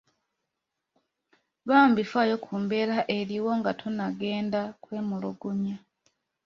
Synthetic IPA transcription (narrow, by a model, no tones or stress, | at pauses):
βaːmbifaːjo̞kʰuːmbe̞ɾaʔe̞ɾiwo̞ŋɡatʰonaɡe̞ːndakwe̞ːmuloɡuɲa